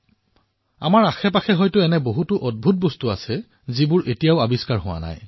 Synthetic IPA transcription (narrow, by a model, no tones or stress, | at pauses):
a̰maɹaxɛpaxɛɦɔjtʊɛnɛboɦutʊʔɔd̚bʱut̚bɔstʊa̰sɛ | zibʊɹʔetijaʊabiskaɹɦʊwa̰na̰j